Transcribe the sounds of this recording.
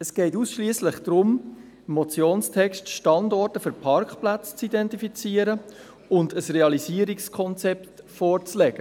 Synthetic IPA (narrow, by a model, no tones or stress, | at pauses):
ɛsɡ̥ɛɪtusʃliəsləχd̥ɾʊm | ɪmːɔt͡sjoːnstʰɛkʃtʃtɑndɔrtəfʏɾpʰɑɾkχplat͡st͡sidɛntifit͡siːəɾə | ʊndəsreɑlisiːəɾikskʰɔnt͡sɛptfɔːɾt͡slɛɡ̥ə